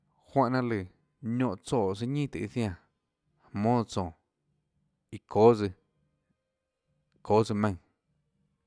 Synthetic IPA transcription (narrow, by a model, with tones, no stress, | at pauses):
hwã˦˧ʔnã˦lɨ˨ | ɲõ˧ʔt͡soː˧˨s̬ɨ˧ɲĩː˦˨t̪ɨ˨ʔi˦˧θj̃ã˧˨ | hmõː˦˧t͡sɔ̃ː˨ | i˨kʰoː˨˦zɨ˧ | kʰoː˨˦d͡zɨ˧mã˧ŋ